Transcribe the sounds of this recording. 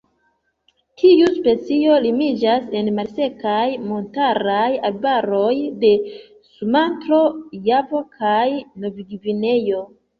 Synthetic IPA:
tʰiuspe̞t͡sio̞limid͡ʒase̞nmalse̞kajmo̞ntaɾajalbaɾo̞jde̞ | sumantɾo̞javo̞kʰajno̞viɡivine̞jo̞

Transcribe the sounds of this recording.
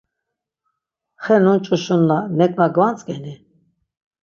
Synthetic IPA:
χɛnunt͡ʃʼuʃunːanɛkʼnaɡvant͡sʼkʼɛni

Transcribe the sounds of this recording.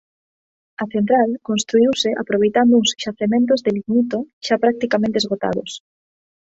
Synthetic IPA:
aθent̪ɾalkonst̪ɾuiwsɪʔa̰pɾoβejt̪and̪ʊuŋsʃaθemẽnt̪ʊzðeliɣnit̪oʃapɾak̚t̪ikamẽnt̪ezɣot̪a̰ðo̰s

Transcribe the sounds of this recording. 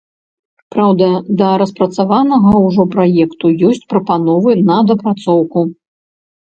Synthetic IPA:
pɾawd̪ɐd̪ɐɾɐspɾɐt̪savanɐɣɐwʐɔpɾajɛkt̪ujɔsʲt͡sʲpɾɐpanɔvɨnɐd̪ɐpɾat̪sɔwku

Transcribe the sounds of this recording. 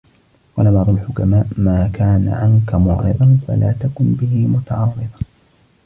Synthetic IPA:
qɑːlamɑʕɾˤʊlħʊkamaːʔmaːkaːna̰ʕaŋkamʊːʔɑ̰jðˤɑnfa̰laːt̪akʊnbɪɦiːmʊt̪ɑʕɑrˤːɨðˤɑ

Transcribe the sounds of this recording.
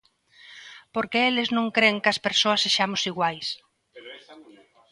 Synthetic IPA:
poɾkɪelɪznõŋkɾeŋkɐspeɾsoɐsːeʃamʊsiɣwajs

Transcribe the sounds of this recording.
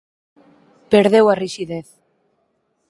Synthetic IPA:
peɾðewariʃiðeθ

